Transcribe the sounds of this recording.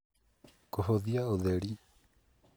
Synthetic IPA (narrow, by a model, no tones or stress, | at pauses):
koɦoðiaoðeɾi